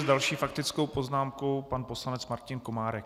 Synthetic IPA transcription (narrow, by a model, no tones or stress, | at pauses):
zdalʃiːfak̚t̪ɪt͡skowpo̞znaːmkowpanpo̞slanɛt͡smaɾcɪnkomaːɾɛk